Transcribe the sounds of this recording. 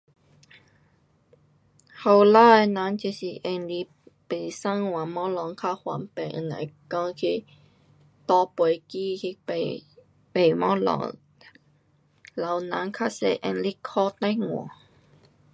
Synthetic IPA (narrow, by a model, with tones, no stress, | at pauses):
ha˧˩wla˧˥˧nã˨˦˥nt͡ɕi˧˩si˨˩ʔe˧nli˧ | pe˨˩jsa˥ŋwa˨mɔ˦˥lɔ˧˦ŋkʰa˧˥hwa˨˦npe˨˩ʔɨ̰˧˩na̰˨˩jkɔ˧ŋkʰi˧ | t̪ɔ˧pwə˨˦jki˧ki˧˨ | pe˨˩jmɔ˦lɔ̰˧˥ | la˧wna̰˨˦nkʰa˥sḛ˧ʔɛ̰˧nli˦˥kʰɔ˧˥t̪a˥jŋwɔ̰˨˩˨